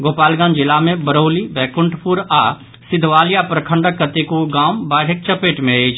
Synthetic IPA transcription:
ɡoːpaːlɡãːnd͡ʒɪlamẽbəɾoːlibɛːkʊɳʈpuɾa | sɪd̪ʱʋaːlijapɾəkʰə̃ɳɖəkːət̪ekuɡãːmbaːɽek̚t͡ʃəpeːʈmẽeːt͡ʃʰ

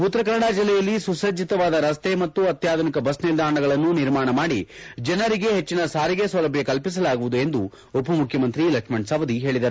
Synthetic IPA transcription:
ut̪ːɾɐkɐɾɐɽaːd͡ʒilːɛjɐlːisusɐd͡ʒit̪ɐʋaːd̪ɐɾɐst̪e̞mɐt̪ːuɐt̪jaːd̪ʱɐnikɐbɐsnild̪ʱaːɾɐɳɐɡɐɭɐnːuniɾmaːɳɐmaːɽḭd͡ʒɐnɐɾiɡe̞ɦet͡ʃːinɐsaːɾiɡesʋɐlɐbʱjekɐlpis̬ɐlaːɡuʋud̪ue̞nd̪u | upɐmukʰjɐmɐnt̪ɾilɐkʂmɐɳɖsɐʋɐd̪iɦe̞ːɭid̪ɐɾu

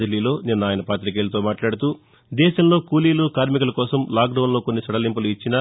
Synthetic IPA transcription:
ɐlːiːlo̞ːninːɐaːjɐnɐpaːt̪ɾik̬eːlɐt̪̬o̞ːmaːʈlaːɽut̪uː | d̪ɛːʃɐmloːkuːliːluːkaːɾmikɐlɐkɔːsɐmlaːk̚ɖɐwnlo̞ːkonːisɐɽɐlimpuluit͡ʃːinɐ

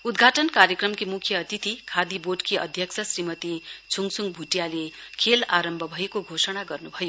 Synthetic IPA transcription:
ud̪ɡʱaʈʌnkaɾjʌkrʌmkimukʰjʌːt̪it̪ikʰad̪iboʈkʰiʌ̰d̪ʱjʌksʰʌsrimʌt̪it͡sʰuŋsuŋbʱuʈjalekʰelaɾʌmbʱʌbʱʌekoɡʱosʌɽ̃aɡʌrnubʱʌjo

